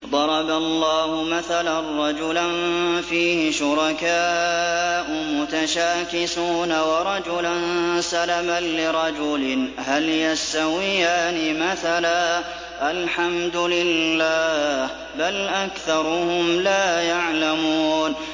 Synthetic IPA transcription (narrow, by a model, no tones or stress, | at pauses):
d̪ˤɑɾˤɑbalːɑːhʊmaθalanɾˤɑd͡ʒʊlanfiːhɪʃʊɾˤɑkaː | ʔʊmʊt̪aʃaːkɪsuːnawɑɾˤɑd͡ʒʊlansalamanːɪɾˤɑd͡ʒʊlɪɦaljast̪awɪjaːnɪmaθalaː | ʔalħamd̪ʊlɪlːaːh | balʔakθɑɾˤʊhʊmlaːjaʕlamuːn